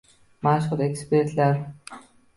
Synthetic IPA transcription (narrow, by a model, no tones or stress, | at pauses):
maʃχə̆ɾeksperɮar